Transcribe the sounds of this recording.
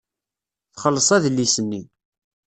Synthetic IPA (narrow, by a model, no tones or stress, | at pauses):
θχəlːəsˤæðlːisənːi